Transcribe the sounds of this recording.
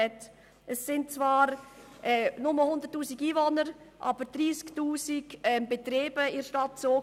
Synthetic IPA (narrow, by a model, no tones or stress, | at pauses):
ɛt | ɛsːɪnt̚t͡svaːɾ | ʔɛːnʊməhʊndəɾtːuːsiɡiːvonəɾ | ʔɑbəɾd̥ɾiːsktuːsiɡɛmbetɾeːb̥əɪɾʃtɑtsoː